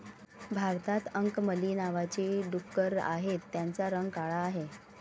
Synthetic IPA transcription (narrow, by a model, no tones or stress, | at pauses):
bʱaɾt̪at̪əŋkməlinaʋat͡ɕeɖukːəɾa̰ɦet̪ːjant͡saɾəŋɡkaɭaːɦe